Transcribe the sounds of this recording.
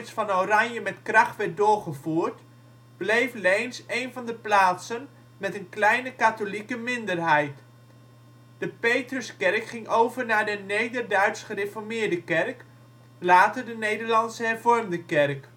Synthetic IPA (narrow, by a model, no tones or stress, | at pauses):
sfɑnowrɑɲjəmɛtkrɑχtʋɛɹt̚dʊːɹχəvuːɹt | blejflejnsejnvɑndəplaːtsən | mɛtənklɛjnəkatolikəmɪndərɦɛjt | d̥əpejtrəskɛrkχɪŋowvəɹnaːɹdənejdərdœɥtsχərefɔɹmɪːɹdəkɛrk | laːtəɹdənejdəɹlɑnsəɦɛrvɔrmdəkɛrk